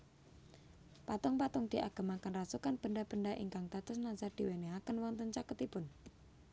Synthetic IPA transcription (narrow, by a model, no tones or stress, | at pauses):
pat̪ʊŋpat̪ʊŋd̪̥i̤ʔaɡ̥a̤makənrasukanb̥əɳɖab̥əɳɖaʔḭŋkaŋt̪at̪ʊsnanzard̪̥i̤weneɦakənwɔŋnt̪əɲt͡ʃakət̪ipʊn